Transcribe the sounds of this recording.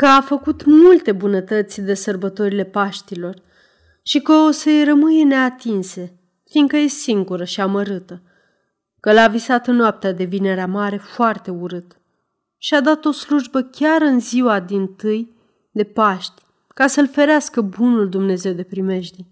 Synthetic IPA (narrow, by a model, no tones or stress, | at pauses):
kəafəkut̪mult̪e̞bunət̪ət̪sʲd̪e̞sərbət̪o̞ɾile̞paʃt̪ilo̞r | ʃikəosəjrəmɨje̞ne̞at̪inse̞ | fiŋɡkəjesiŋɡuɾəʃiaməɾɨt̪ə | kəlavisat̪ɨnːoap̚t̪ead̪e̞vine̞ɾeamaɾe̞foart̪e̞uɾɨt̪ | ʃiad̪at̪o̞sluʒbəkʲaɾɨnziwad̪int̪ɨj | d̪e̞paʃt̪ʲ | kasəlfe̞ɾeaskəbunuld̪umne̞ze̞wd̪e̞pɾime̞ʃd̪i